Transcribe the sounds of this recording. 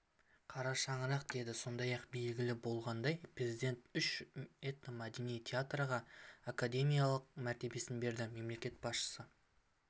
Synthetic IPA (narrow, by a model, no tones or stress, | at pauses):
qʰɑɾɑʃɑɴəɾɑqd̪e̞d̪ɪso̞nd̪ɑjɑqbe̞lɡʲɪlɪbo̞lˠʁɑnd̪ɑjprʲezijd̪ʲe̞nt̪ʏʃet̪nəmɑd̪enijt̪ʰʲeat̪rəʁɑakad̪ʲe̞mʲijalˠəq̚mæɾt̪e̞be̞sɪnbe̞ɾd̪ɪme̞mle̞kʲe̞t̪bɑsʃə̥sə